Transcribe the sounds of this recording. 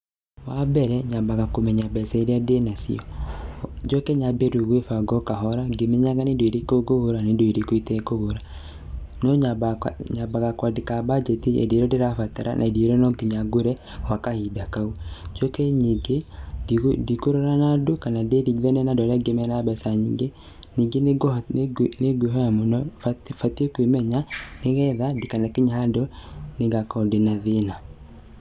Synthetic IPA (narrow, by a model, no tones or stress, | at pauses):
wabɛɾɛɲabaɣakomɛɲabɛsɛɾeadenasḭɔ | d͡ʒɔkɛɲabeɾuɣwefaɡɔkaɦɔɾaɡemɛɲaŋɡanedoeɾikoɡohoɾanedoiɾikoitɛkoɣoɾa | nɔɲaɲabaɣakwadekabad͡ʒetiḛdieɾɔdeɾafataɾa̰nʔa̰edieɾɔnɔɡiɲaɡoɾɛ | wakahidakaud͡ʒɔkɛɲiɡe | dikuɾɔɾanadukanadediɡðɛnɛnadɔɾɛɡemɛnabɛsaɲiɡe | niɡeɡ | neɡweɦɔamunɔfatiɔkwimɛɲaneɣɛðadikanakiɲadɔneɡakɔdenaðina